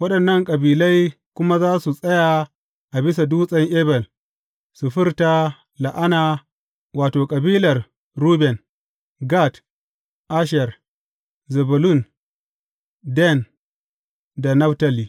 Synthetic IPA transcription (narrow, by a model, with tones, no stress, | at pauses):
wɐ˦ɗɐ˨nːɐ˦˨ŋkʼɐ˨biː˨la˦j | kʷʊ˦ma˦zaː˦su˨sʼɐ˦ja˨ | ʔa˨bɪ˦s̬a˨duː˦sʼɐ˦ŋʔɛ˦bɛ˨l | su˨ɸɪ˦ɾta˦ | la˨ʔa˦naː˨ | waː˨toː˨kʼɐ˨biː˦lɐ˨r | ɾuː˦bɛ˨n | ɡa˦˨t | ʔa˦ʃɛ˨r | zɛ˨bʊ˨lʊ˦˨n | dɛ˦˨n | da˨nɐ˦fta˦˨li˨